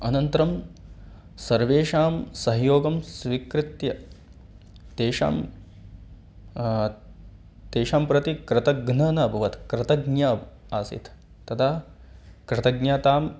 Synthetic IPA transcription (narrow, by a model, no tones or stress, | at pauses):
ɐnɐnt̪ɐɾɐm | sɐɾʋeːʃaːmsɐɦjoːɡɐmsʋikɾɪt̪jɐ | t̪eːʃa̰ːm | t̪eːʃaːmpɾɐt̪ikɾɪt̪ɐɡnɐnɐbʱɐʋɐt̪ʰkɾɐt̪ɐɡnja | aːsḭt̪ʰ | t̪ːɐt̪ʰaːkɾɪt̪ɐɡɲjaːt̪aːm